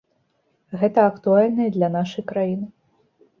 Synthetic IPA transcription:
ɣɛt̪ɐɐkt̪ualʲnɐjd̪lʲɐnaʂɐjkɾajinɨ

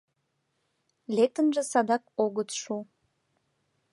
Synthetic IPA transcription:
lek̚t̪ənʒĕsɑd̪ɑkoɣət̪ʃu

